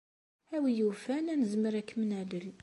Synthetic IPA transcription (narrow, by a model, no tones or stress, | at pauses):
æwijufænænəzməɾækːmnæləl